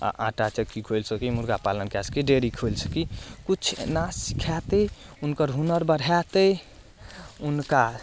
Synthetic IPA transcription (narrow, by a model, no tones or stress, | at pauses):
a̰ʔã̰ʈat͡ʃəkːikʰojlsəkimuɾɡapalənkɛsə̥kiɖeɾikʰolsəkikut͡ʃʰnasi̥kʰɛt̪əunkəɾɦunəɾbəɽʱɛt̪ə | unka